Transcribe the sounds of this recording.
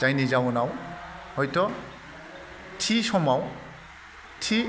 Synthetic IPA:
zajnizawnawhɔjtɔ | tʰisɔmaw | tʰi

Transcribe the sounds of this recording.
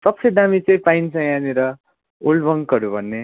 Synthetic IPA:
sʌp̚sed̪amit͡sʌĩpajnt͡sʰʌ̃janeɾʌ | olbʌŋkʌɾubʱʌnːe

